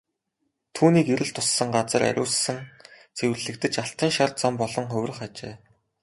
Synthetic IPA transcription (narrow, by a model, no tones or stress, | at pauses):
t̪ʰuːniːkeɾɘ̆ɬt̪ʰʊsːə̆ŋɢat͡sə̆ɾʔæ̰ɾʲʔʊ̰ːssɘ̆n | t͡sʰew̆rɮɘ̆kt̪ɘ̆t͡ɕaɬt̪ə̆ŋʃart͡sampɔɮɞ̆ŋχɵwʲrə̆χat͡ɕḛː